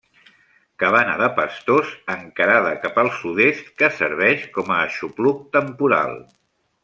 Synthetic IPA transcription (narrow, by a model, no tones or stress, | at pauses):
kəβana̰ðəpəst̪ozəŋkəɾaðəkapəlˠsuðest̪kəsə̰ɾβ̞ɛʃkɔməːʃupluk̚t̪əmpuɾa̰lˠ